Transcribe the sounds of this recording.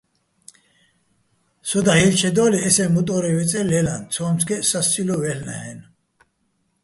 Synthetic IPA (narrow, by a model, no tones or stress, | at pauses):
sɔd̪ahilt͡ʃʰɛd̪ɔːliɛsɛmut̪ʼɔɾɛwɛt͡sʼɛlɛlant͡sʰɔːmsɡɛsast͡sʼilɔvɛlna̰hɛn